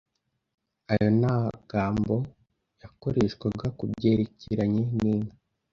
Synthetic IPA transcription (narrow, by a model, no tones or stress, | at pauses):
ajo̞naɡ̥aːmbo̞ | jako̞ɾeʃwaɡakubɟeːɾeciɾaɲeniːna